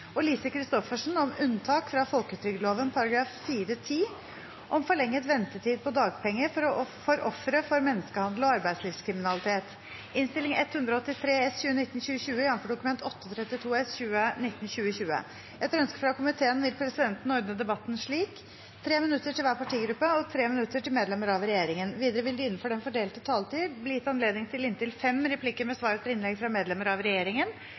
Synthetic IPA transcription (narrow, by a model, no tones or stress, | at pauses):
ɔliːsəkʰɾɪst̪ɔfəʂn̩ɔmʉnt̪ʰɑːkfɾɑfɔlkʉːt̪ʰɾʏɡəloːʋənpʰɑɾɑɡɾɑːffiːɾət̪ʰiː | ʔɔmfɔɭɛŋːət̪ʋɛnt̪ətʰiːd̪̚pʰɔd̪ɑːɡ̚pʰɛŋːəfɔɾfɔɾʔɔfɾəfɔɾmɛnːəskəhɑnd̪l̩ɔɑɾbæɪsliːʋskʰɾɪmɪnɑlɪt̪ʰeːt̪ | ɪnst̪ɪlɪŋɛt̪hʉnd̪ɾɔɔt̪ːɪt̪ʰɾeːɛsçʉːənɪt̪ːnɕʉːəɕʉːəjɑnfɔɖʊkʉmɛnt̪ɔt̪ːəɔt̪ʰɾɛt̪ːɪt̪ʰuːɛsɕʉːənɪt̪ːn̩ɕʉːəɕʉːə̰ | ʔɛt̪ɾœnskə̥fɾɑkʊmɪt̪ʰeːənʋɪlpʰɾɛsɪd̪ɛnt̪n̩ɔɾd̪nəd̪ɛbɑt̪ːn̩ʂɭiːk | t̪ʰɾeːmɪnʉt̪ːəʈʰɪlʋæːpɑʈʰiːɡɾʉpːəɔt̪ʰɾeːmɪnʉt̪ːəʈɪlmeːd̪lɛmːəɾɑʋɾɛjeːɾɪŋənʋiːd̪əɾəʋɪld̪ɪɪnːnfɔɖɛmfɔɖeːlt̪ət̪ʰɑːlt̪ʰiːblɪjɪt̪ːɑnleːd̪ɪŋt̪ʰɪlɪnt̪ɪlfɛmːɾɛpʰlɪkːəmɛsʋɑːɾət̪ʰɪlɪnlɛɡfɾɑmeːd̪lɛməɾɑʋɾɛjeːɾɪŋən